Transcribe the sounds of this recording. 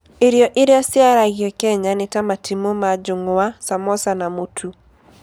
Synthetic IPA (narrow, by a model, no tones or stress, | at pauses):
iɾjɔʔɪɾjasjaɾaɣjɔkɛɲanɪtamatʰimomad͡ʒoŋwasamɔsanamotʰu